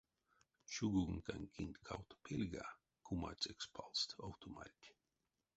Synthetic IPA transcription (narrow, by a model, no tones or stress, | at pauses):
t͡ʃuɡuɡŋkanʲkʰinʲt̪ʲkʰawt̪o̥pʲilʲɡa̰ | kʰuma̰t͡sʲɛkspʰalˠst̪awt̪ʰoma̰ɾʲtʲ